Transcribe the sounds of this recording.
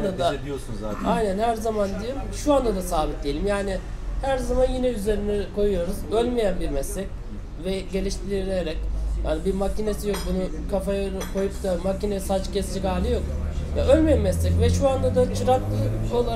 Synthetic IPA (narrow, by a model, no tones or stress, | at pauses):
d̪ad̪aosunajnænhæɾzamand̪ijemʃuand̪ad̪asaːbit̪̚d̪ije̞lʲimjaːnɪ | hæɾzamanjinɛyze̞ɾinɛkʰo̞jujo̞ɾuzølʲmejænbiɾmɛslːɛc | vɛɟe̞lʲiʃt̪ʰiɾiɾeɾɛcja̰nbiɾmacine̞sijo̞k̚bunu | kʰafaja | kʰo̞jupt̪ʰamacinɛsat͡ʃcʰɛst͡ʃikaːlʲɯjo̞k̚jaø̞lʲmejænmɛslʲɛcvɛʃuand̪ad̪at͡ʃʰɯɾat̪kʰolˠa